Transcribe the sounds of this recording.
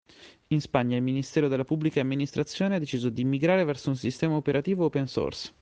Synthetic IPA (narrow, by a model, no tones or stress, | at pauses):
inspaɲːailminist̪ɛːɾod̪elːapubːlikaːmːinist̪ɾat̪sːjoːnead̪et͡ʃiːzod̪iːmːiɡɾaːɾevɛrsounsist̪ɛːmaopeɾʔat̪iːvoopenso̰ːrs